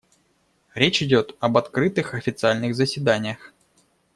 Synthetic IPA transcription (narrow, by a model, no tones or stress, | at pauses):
ɾʲet͡ɕɪdʲo̞t̪ɐbɐt̪kɾɨt̪ɨxɐfʲɪt̪sɨalʲnɨɣzəsʲvʲɪd̪anʲɪjəx